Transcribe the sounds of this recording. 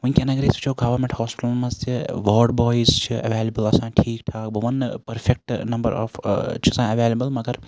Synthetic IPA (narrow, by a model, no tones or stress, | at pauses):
ʋɐnkʲenɐɡɾiːsɐt͡ʃʰoːɡɐʋɐɾmẽɳʈhɔːspɪʈlmɐ̃zt̪iʋɔːɖbɔːjizt͡ʃʰiɐʋeːləbəlɐsãːʈʰiːkʈ̪ʰaːkbɐʋɐnpɐɾfʰek̚ʈnɐmbə̰ɾɔ̰ːft͡ʃʰiɐsãːɐʋeːlɐbəlmɐɡɐɾ